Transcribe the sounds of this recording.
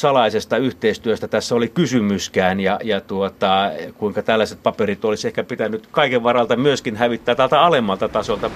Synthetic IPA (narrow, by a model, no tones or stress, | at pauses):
sɑlɑisest̪ɑyht̪eist̪yøst̪æt̪æsːæolikysymyskæːnjɑjɑt̪uot̪ɑkuiŋkɑt̪ælːæset̪̚pɑperit̪olisehkæpit̪ænːˑyt̪kɑikeʋʋɑrɑlt̪ɑmyøskinhæʋit̪ːæːt̪ælt̪ɑɑlemːɑlt̪ɑt̪ɑsolt̪ɑ